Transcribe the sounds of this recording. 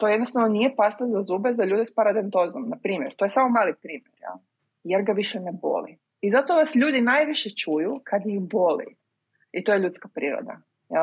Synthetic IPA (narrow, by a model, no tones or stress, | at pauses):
t̪o̞jenost̪aʋnonije̞past̪azazuːbezaʎuːd̪espaɾad̪ent̪o̞zomnapɾiːmjeɾt̪o̞jesamo̞maːlˠipɾiːmjeɾjḛlˠ | jeɾɡaʋiʃenebo̞̰lḭ | izat̪o̞ʋasʎuːd̪inaːjʋiʃet͡ʃujukʰad̪jibo̞lḭ | it̪ojeʎut̪skapɾiːɾo̰d̪a̰ | jal